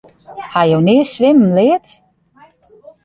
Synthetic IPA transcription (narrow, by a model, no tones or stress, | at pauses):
hajownɪəsʋɪmənlɪət